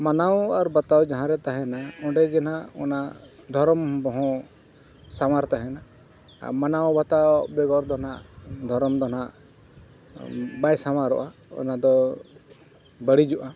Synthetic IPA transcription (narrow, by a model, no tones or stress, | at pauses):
manawaɾbat̪awd͡ʒaɦãɾɛt̪aɦɛ̃naɔ̃ɖɛɡɛnaɔ̰na | d̪ʱɔɾɔmbɔɦɔ̃ | samaɾt̪aɦɛ̃na̰ | manawbat̪abɛɡɔɾd̪ɔnaʔd̪ʱɔɾɔmd̪ɔnaʔ | bajsamaɾɔ̰ʔaɔ̰nad̪ɔ | bəɽid͡ʒuʔa